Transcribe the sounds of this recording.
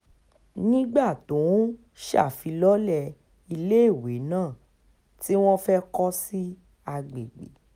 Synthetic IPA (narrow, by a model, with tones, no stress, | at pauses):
nĩ˦ɡ͡ba˦˨tõ˨˦ | ʃa̰˦˨fi˨˧lɔ˦lɛ˧ | i˧le˦i˦˨we˨˦nãː˦˨ | ti˦w̃ɔ̃˦fɛ˦kɔ˦si˦ | a˧ɡ͡be˨ɡ͡bḛ˨˦